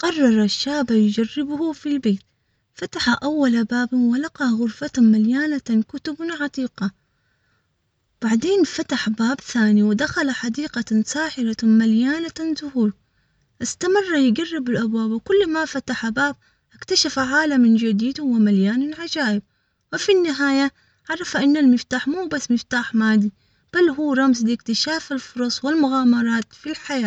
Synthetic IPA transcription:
qɑrˤːɑɾˤɑʃːaːbajd͡ʒarːɪbhʊfilbeːt̪ | fat̪aħaʔawːalabaːbwɪlɑqɑɣʊɾfat̪maljaːnakʊt̪ʊbnʕat̪ˤiːqɑ | b̥aʕd̪eːnfat̪aħbaːbθaːniwɪd̪axalaħad̪iːqɑsaːħɪɾamaljaːnazʊhuːɾ | ʔɪst̪amɪrˤːajɡarːɪbɪlʔabwaːbwkʊlːmafat̪aħabaːb̚ | ʔakt̪aʃafaʕaːlamɪnd͡ʒɪd̪iːd̪hʊwɪmaljaːnɪlʕad͡ʒaːʔɪb̚ | wɪfinːɪɦaːja | ʕɑɾˤːɑfaʔɪnːalmɪft̪aːħmuːbasːmɪft̪aːħmaːd̪i | b̥alːɦuːɾˤɑmslɪkt̪ɪʃaːfɪlfʊɾˤɑsˤwɪlmʊɣaːmɑɾˤɑːt̪filħajaː

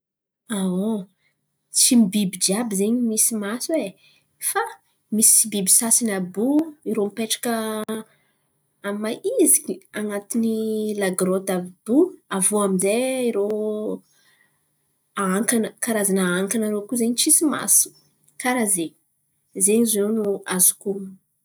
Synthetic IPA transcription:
ao | t͡simibibid͡ʒiabizeɲimisimaswe | fa | misi̥t͡sibibisasinabuiɾomipeʈ͡ʂḁkə | amaʔizikiaŋat̪inilaɡɾot̪abb̥uavoamizeiɾo | aaŋkanəkaɾazanaaŋkanaɾokuzeɲit͡ʃisima̰su̥ | kaɾazeɲ | zeɲizonuazuku

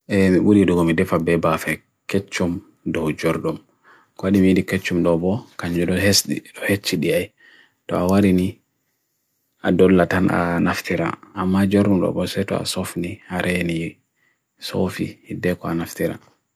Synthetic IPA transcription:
ʔɛmiɓuɾiduɡɔmidɛfabɛbafɛ | ket͡ʃːum | dɔwd͡ʒɔɾɗum | kɔaɗimijidiket͡ʃːumdɔbɔkaɲd͡ʒɔdɔɦesɗḭɗɔhet͡ʃːiɗiaj | tɔ̰awaɾini | adɔlːatanʔa̰naftʰiɾa̰mːad͡ʒɔɾɗumɗɔ̰bɔsɛtɔ̰a̰sofnihaɾʔɛni | so̰fḭhidɛkɔanaftiɾa̰

